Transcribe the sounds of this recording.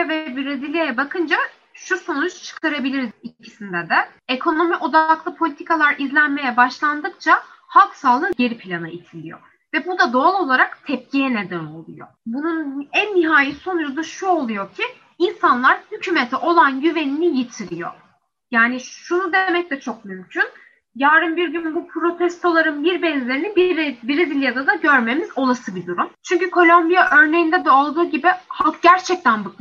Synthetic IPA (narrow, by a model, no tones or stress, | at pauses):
ɛvɛbiɾezilʲejɛbakʰɯnd͡ʒa | ʃuso̞nut͡ʃt͡ʃʰɯ̥kt̪ʰaɾabilʲiɾizicʰisind̪ɛd̪ɛekʰo̞no̞miʔo̞d̪aklˠɯpʰolʲit̪ʰikʰalˠaɾʔizlʲænme̞jɛbaʃlˠand̪ɯkt͡ʃʰahalˠksaːlˠɯɟe̞ɾipʰilʲanait̪ʰilʲḭjo̞̰ | vɛbud̪ad̪o̞alˠo̞lˠaɾakt̪ʰɛp̚cijɛne̞d̪æno̞̰lˠṵjo̰bununænːiɦaːjiso̞njud̪aʃuo̞lˠujo̞cʰi | insanlˠaɾhycʰymet̪ʰɛʔo̞lˠanɟyve̞ninijit̪ʰiɾijo̞̰ | jaːniʃunud̪emɛc̚lɛt͡ʃʰo̞k̚mymcʰyn | jaːɾɯmbiɾɟynbupʰɾo̞t̪ʰɛst̪ʰo̞lˠaɾɯnbiɾbɛnzʲeɾinibiɾbiɾid̪ilʲijad̪ad̪aɟø̞ɾme̞mizo̞lˠasɯbid̪uɾumt͡ʃʰyɲcykʰo̞lʲombijaʔø̞ɾnejind̪ɛd̪ɛolˠd̪ɯːɟibɪhalˠkɟæɾt͡ʃʰɛc̚t̪ʰænbɯk